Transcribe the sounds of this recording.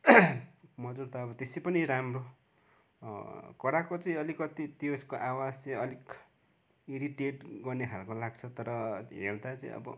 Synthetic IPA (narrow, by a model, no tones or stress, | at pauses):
mʌd͡zurt̪ʰaːbʌt̪esepʌniɾamro | kʌɾakot͡sʌĩʌlikʌt̪it̪iskoʔawad͡zt͡sʌĩʌlik | iɾiʈeʈɡʌrnekʰalkolaɡt͡sʰʌt̪ʌɾʌɦḛrd̪at͡sʌḭ̃ʌ̰bʌ̰